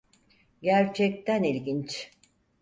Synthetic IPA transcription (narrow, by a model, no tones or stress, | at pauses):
ɟæɾt͡ʃʰɛc̚t̪ʰænilʲɟint͡ʃ